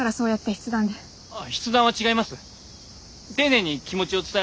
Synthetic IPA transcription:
aɾaso̞ːjat̪ːe̞çʲi̥t͡sɨd̪ãnd̪e | açi̥t͡sɨd̪ãɰ̃βat͡ɕiɡaimasɨ | t̪e̞nẽ̞ɲ̟ːikʲimo̞t͡ɕio̞t͡sɨ̥t̪a

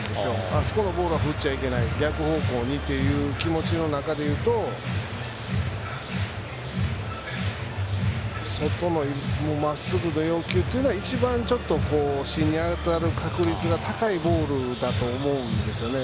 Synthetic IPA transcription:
d̪esɨjo̞aso̞ko̞no̞bo̞ːɾɯ̟βaɸɯ̟t͡ɕaike̞naiɡʲakɯ̟ho̞ːko̞ːɲ̟it̪ːe̞jɯ̟ːkʲimo̞t͡ɕino̞nakad̪e̞jɯ̟ːt̪o̞ | so̞t̪o̞no̞momasɨɡɯ̟no̞jo̞ːkʲɨːt̪ːejiɯ̟noait͡ɕibãɲt͡ɕo̞t̪ːo̞ko̞ːɕĩɲ̟ːiaɡet̪oaɾɯ̟kʰakɯ̟ɾʲit͡sɨɡat̪ʰakaibo̞ːɾɯ̟d̪at̪o̞ːmo̞ɯ̟̃nd̪e̞sɨjo̞ne

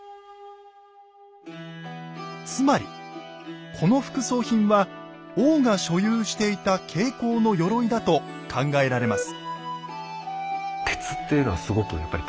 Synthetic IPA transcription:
t͡sɨmaɾʲḭ | kʰo̞no̞ɸɯ̟̥kɯ̟so̞ːçĩɰ̃βaoːɡaɕo̞jɯːɕi̥t̪e̞it̪akʰe̞ːko̞ːno̞jo̞ɾo̞id̪at̪o̞ | kʰãŋɡae̞ɾaɾe̞masɨ̥ | t̪ʰe̞̥t͡sɨ̥t̪ːejɯnoβasɨɡo̞kɯjapːaɾʲi

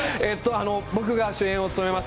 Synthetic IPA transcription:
et̪ːo̞ano̞bo̞kɯ̟ɡaɕɨẽo̞t͡sɨ̥t̪ome̞mas

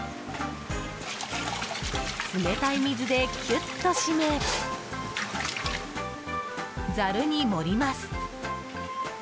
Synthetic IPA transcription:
ɯme̞t̪aimʲizɨd̪e̞kʲʰɨt̪ːo̞ɕime | d͡zaɾɯ̟ɲ̟imo̞ɾʲimasɨ̥

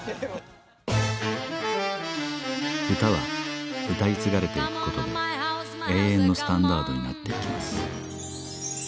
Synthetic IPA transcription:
çɯ̟t̪aβa̰ɯ̟t̪ait͡sɨɡaɾe̞t̪e̞ikɯ̟̥ko̞t̪o̞d̪e̞̰ | e̞ːẽ̞nːo̞sɨ̥t̪ãnd̪aːd̪o̞ɲ̟ina̰t̪ːe̞ikʲimasɨ̥

